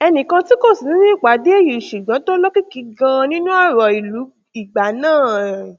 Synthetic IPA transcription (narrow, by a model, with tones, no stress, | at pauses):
ɛ˧nĩ˨kã˧ti˦ko˦˨si˨˦nĩ˦ĩ˦˨k͡pa˨˦de˨˦e˦˨ji˨ʃu˨ɡã˨˦to˦lɔ˦ki˦ki˨˧˦ɡã˧nĩ˦nũ˦a˦˨ɾɔ˨i˨lu˨˦ | i˨ɡ͡ba˨˦nãː˦˨